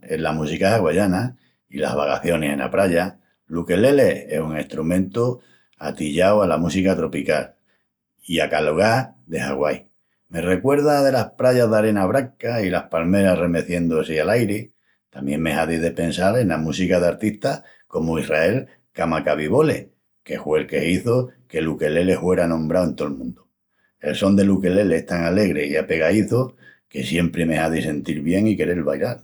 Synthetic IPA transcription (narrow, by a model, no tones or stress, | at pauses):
e̞̰lamusikahaɣwaʝana | ila̰βa̰ɣa̰θjo̞nesẽ̞̰na̰pɾaʝa | luke̞le̞le̞esuŋe̞st̪ɾumẽnt̪u | a̰t̪iʎawalamusikat̪ɾo̞pikal | iakaloɣ̞ad̪e̞ha̰ɣwaj | me̞re̞kwe̞ɾð̞að̞e̞lahpɾaʝaðaɾe̞naβɾaŋkailahpalme̞ɾare̞me̞θje̞nd̪oasialajɾe | t̪amje̞ŋme̞ɦaðiðe̞pensale̞nlamusikaðaɾt̪iht̪a | ko̞moihrae̞l | kamakaβiβo̞le̞ | ke̞hwe̞lke̞hiθoke̞luke̞le̞le̞hwe̞ɾanõ̞mbɾawe̞nt̪o̞lmũnd̪o | e̞lso̞nd̪e̞luke̞le̞lest̪aŋale̞ɣɾe̞iape̞ɣaiθoke̞sje̞mpɾeme̞haðise̞nt̪iɾβje̞ŋike̞ɾelβa̰jlal